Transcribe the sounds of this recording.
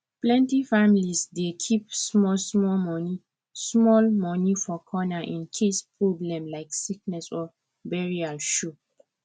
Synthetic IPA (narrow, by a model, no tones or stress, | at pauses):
plɛ̃ntifamilisdekʰipsmɔlsmɔmɔni | smɔlmɔnifɔkʰɔnaʔĩnkʰespɹoblɛ̃mlaɪksik̚nɛsɔ | bɛɹiaʃu